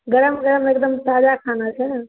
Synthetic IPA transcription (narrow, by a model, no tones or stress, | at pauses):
ɡəɾəmɡəɾəmekd̪əmsad͡ʒakʰanat͡ʃʰɛ